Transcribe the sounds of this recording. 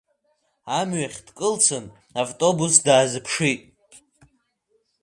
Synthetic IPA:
amɥaχʲdkʼɨlt͡sʰɨn | avtʼo̞busdaːzɨpʰʂitʼ

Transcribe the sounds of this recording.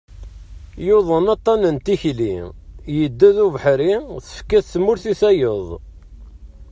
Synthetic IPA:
joðˤənɑt̪ˤːɑnənt̪içlijəd̪ːæðuvəħɾiθə̥fkæθθmʊɾθiθæjəðˤ

